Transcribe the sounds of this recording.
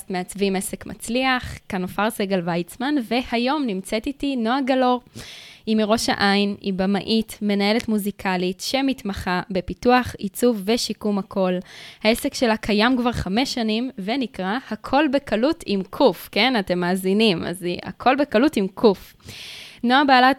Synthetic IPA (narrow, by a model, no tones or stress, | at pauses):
tmeat͡svimese̞kmʔa̰t͡sliaχkanofaʁseɡelvajt͡smanve̞hajo̞mnimt͡setitino̞aɡalo̞ʁimiʁo̞ʃa̰ʔajinibama̰ʔitme̞nae̞letmuzikʰalitʃe̞mitmaχabe̞pituaχit͡suvːe̞ʃikumakʰo̞lhaesekʃe̞lakʰajamkvaʁχame̞ʃːanimve̞nikʁahakʰo̞lbe̞kalutʰimkʰufke̞nate̞mːaːzinima̰zia̰kʰo̞lbekalutimkʰuf | noabaːla